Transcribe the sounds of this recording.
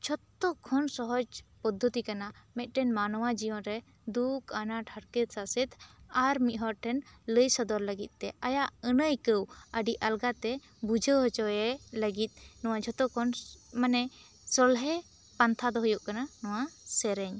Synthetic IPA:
t͡ʃʰɔt̪ːɔkʰɔnsɔɦɔd͡ʒpɔd̪ʱːət̪ikanamɛt̪̚ˀʈɛnmanɔwad͡ʒijɔnɾɛ | d̪ukʰanaʈʰaɽkət̪̚sasit̪ʰaɾmiʔ̪ɦɔɾʈʰɛnləjsɔd̪ɔɾləɡit̪̚t̪ɛajaʔənəjkəwəɖiʔalɡat̪ɛ | bud͡ʒʱəwɦɔt͡ʃɔɛləɡit̪̚ˀnɔwad͡ʒʰɔt̪ɔkʰɔnmanɛ | sɔlɦɛ | pant̪ʰad̪ɔɦɔjuʔkananɔwasɛɾɛɲ

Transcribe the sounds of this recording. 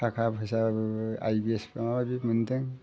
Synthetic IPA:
tʰakʰapɯsaa̰jbiespamababimɯntɯŋ

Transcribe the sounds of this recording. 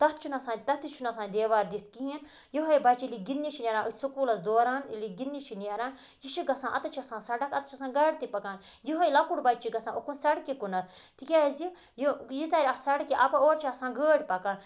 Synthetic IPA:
t̪ɐt̪̚ʰt͡ʃʰunɐsãːt̪ɐt̪it͡ʃʰunɐsãːnd̪eːʋaːɾd̪it̪̚ʰkiɦin | jiɦojbɐt͡ʃiliɡinːit͡ʃʰinʲɐɾãːɨsɐkuːlɐsd̪oːɾaːniliɡinːit͡ʃʰinɐɾãː | jiʃiɡɐsãːʔɐ̰t̪ɐt͡ʃʰɐsãːsɐɖɐkɐt̪t͡ʃʰɐsãːɡɐːɽt̪ipɐkaːn | jiɦojlɐkuɽbɐt͡ʃiɡɐsãːʔokunsɐɽkikunɐt̪̚ʰ | t̪ʰikʲaːzi | jijit̪ɐɾʲɐsɐɽkiʔɐpɐoːɾt͡ʃʰiɐsãːɡəːɽʲpɐka

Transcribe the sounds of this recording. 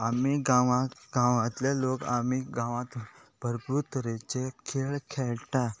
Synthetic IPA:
amiɡaʋãɡãʋãt̪laloka̰miɡãʋãt̪bəɾput̪ɾet͡ɕekʰeɭkʰeɭʈa

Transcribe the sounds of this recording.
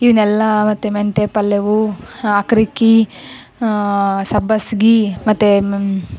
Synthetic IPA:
iʋinɛlːɐmɐt̪ːement̪epɐlːeʋuaːkɾikːi | sɐbɐsɡimɐt̪ːe

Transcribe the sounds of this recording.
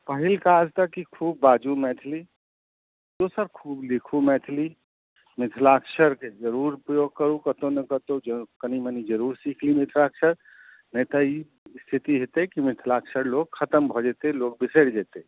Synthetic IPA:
pəɦilkad͡ʒt̪əkikʰubːad͡ʒumɛt̪ʰli | d̪osəɾkʰuːblikʰumɛt̪ʰli | mɪt̪ʰlakʃʰəɾked͡ʒəɾuɾpɾəjoɡ̚kəɾukət̪onəkət̪od͡ʒəkənimənid͡ʒəɾuɾsikʰlimɪt̪ʰlakʃʰəɾ | nət̪ɔi | st̪ʰit̪iɦet̪ekimɪt̪ʰlaksəɾloɡ̚kʰət̪əmbʱɔd͡ʒet̪elok̚biseɽd͡ʒɛt̪e

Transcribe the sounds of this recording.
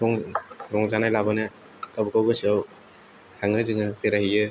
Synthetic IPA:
ɾɔŋɾɔŋzanajlabɯnɯ | kabɯkʰawɡɯsaw | tʰaŋɯzɯŋɯpeɾahijɯ

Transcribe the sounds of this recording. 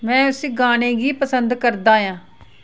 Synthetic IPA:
mɛ̃ːʊsiːɡaːnẽːɡiːpəsənd̪kəɾd̪aːjãː

